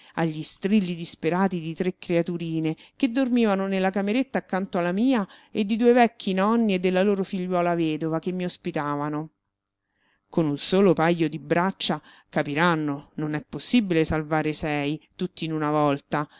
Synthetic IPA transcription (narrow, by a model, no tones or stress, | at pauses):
aʎːist̪ɾilːid̪ispeɾaːt̪id̪it̪ɾekːɾeat̪uɾiːneked̪ːormiːvanonelːakameɾet̪ːaːkːant̪oalːamiːaed̪ːid̪uːevɛkːinɔnːied̪ːelːaloːɾofiʎːwɔːlavɛːd̪ovakemːiospit̪aːvano | konunsoːlopajːod̪ibɾat͡ʃːa | kapiɾanːononɛpːosːibilesalvaːɾesɛjt̪ut̪ːiːnunavɔlt̪a